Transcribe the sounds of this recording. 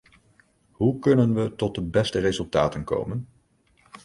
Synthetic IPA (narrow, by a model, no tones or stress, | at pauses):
ɦukɵnənʋətɔt̚dəbɛstərezɵlˠtaːtənko̰wmən